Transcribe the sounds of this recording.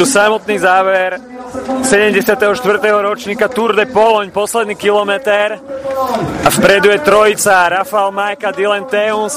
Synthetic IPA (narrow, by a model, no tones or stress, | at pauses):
usamɔt̪niːzaːʋɛɾ | sɛɟɛmɟɛsɪat̪ɛɦɔʃt̪ʋr̩t̪ɛɦɔɾɔt͡ʃɲiːkat̪uɾd̪ɛpɔlɔɲpɔslɛd̪niːkilɔmɛt̪ɛɾ | afpɾɛd̪ujɛt̪ɾɔjit͡saɾafaɛlmajkad̪ilɛnt̪ɛuns